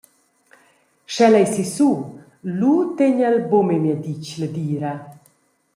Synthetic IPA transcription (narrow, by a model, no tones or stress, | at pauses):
ʃɛlɛjsisuː | lut̪eɲɛlbomemjad̪it͡ʃləd̪iːɾa